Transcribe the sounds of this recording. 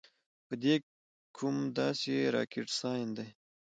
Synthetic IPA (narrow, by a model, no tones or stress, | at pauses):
pəd̪e | kʰumd̪ɑseɾɑ̰ːkɪʈsɑjnd̪ej